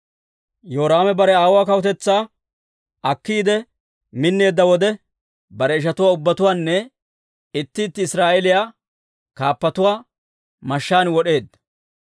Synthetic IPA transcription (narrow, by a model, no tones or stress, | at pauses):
joːɾaːmɛbɐɾɛaːwwaːkɐwʊt̪ɛt͡sːaː | ɐkːiːd̪ɛ | mɪnːe̞ːd̪ːɐwɔd̪ɛ | bɐɾɛɪʃ̬ɐt̪ʊwaːʊbːɐt̪ʊwaːnːɛ | ɪt̪ːɪːt̪ːɪɪsɾaːʔɛlɪjaː | kaːpːɐt̪ʊwaː | mɐʃːaːnwɔɗe̞ːd̪ɐ